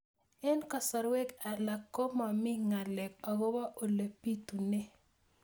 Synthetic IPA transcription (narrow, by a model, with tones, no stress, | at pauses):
ɛ˦nka˨sɔ˨ɾwɛ˦ka˨la˨kːo˦ma˨mɪ˦ŋa˨lɛ˨ka˨ɡo˦ba˦ʔo˨le˨pi˦t̪u˨ne˦